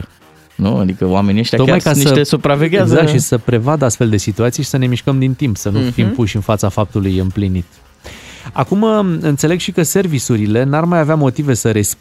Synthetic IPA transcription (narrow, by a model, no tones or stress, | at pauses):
nua̰d̪ikəowame̞nieʃt̪jat̪omajkasiəesupɾaveɡʲeaɡzakt̪ʃisəpɾe̞vad̪əast̪fe̞ld̪e̞sit̪uat̪sijʃisəne̞miʃkəmd̪int̪impsənufimpuʃɨnfat̪safap̚t̪ulujɨmplinit̪ | a̰kumɨnt̪se̞leɡʃikəse̞rvisuɾile̞narmajaveamo̞t̪ive̞səɾe̞s